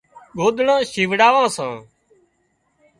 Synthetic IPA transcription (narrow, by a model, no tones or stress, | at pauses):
ɠoːɗ̪ɳãːʃiːʋɽaːʋãːsã̰ː